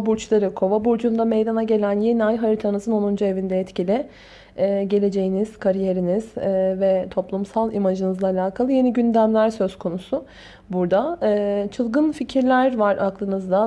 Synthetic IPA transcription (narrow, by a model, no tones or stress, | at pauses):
buɾt͡ʃlˠaɾɯkʰo̞vabuɾd͡ʒund̪ame̞jd̪anaɟe̞lʲænjeniajɦaɾit̪ʰanɯzɯno̞nund͡ʒue̞vind̪ɛɛt̪cilʲɪ | ɛːɟe̞lʲe̞d͡ʒe̞jiniz̥kʰaɾije̞ɾiniz̥ːvɛt̪ʰo̞plˠumsalˠimaʒɯnɯzlˠaːlʲaːkʰalˠɯje̞niɟynd̪æmlʲæɾsø̞z̥kʰo̞nusʊ | buɾd̪aɯːt͡ʃʰɯlˠɡɯnficʰiɾlʲæɾvaɾaklˠɯnɯzd̪a